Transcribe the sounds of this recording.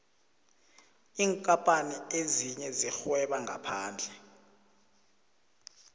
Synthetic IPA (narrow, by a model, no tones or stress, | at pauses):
iːŋkʼapʼanieziɲɛzixwɛɓaŋɡʱa̰pʰaːnd͡ɮʱɛ